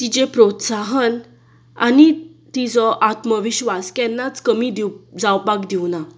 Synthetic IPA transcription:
t̪id͡ʑepɾot̪saɦən | a̰nit̪id͡zɔʔat̪məʋiɕʋaskɛnːat͡skəmid̪id͡zawpaɡd̪iʋna

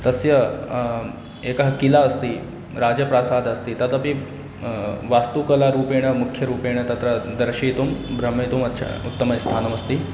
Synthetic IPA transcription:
t̪ɐsjɐ | eːkɐɦɐkilaɐst̪iː | ɾaːd͡ʒɐpɾaːsaːd̪ɐst̪it̪ɐt̪ɐpi | ʋaːst̪ukɐlaɾuːpeːɽ̃ɐmukʰːjɐɾuːpeːɽ̃ɐt̪ɐt̪ɾɐd̪ɐɾʃiːt̪umbɾɐmːɐt̪umɐt̪ːʃʰa̰ut̪ːɐmɐjst̪ʰaːnɐmɐst̪i

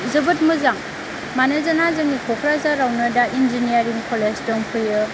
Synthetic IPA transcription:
zɯbɯt̚muzaŋ | manɯzanazɯŋikʰokʰɾazaɾawnɐɾdaʔind͡ʒinijaɾiŋkʰolesdɔŋpʰɯjɯ

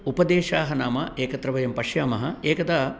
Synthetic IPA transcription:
upɐd̪eːʃaːɦɐnaːmɐʔeːkɐt̪ɾɐʋɐjɐmpɐʂjaːmɐɦɐ̆eːkɐt̪aː

